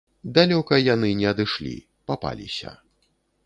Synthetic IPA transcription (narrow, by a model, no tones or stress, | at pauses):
d̪alʲɔkɐjanɨnʲɛɐd̪ɨʂlʲḭ | papa̰lʲisʲɐ̰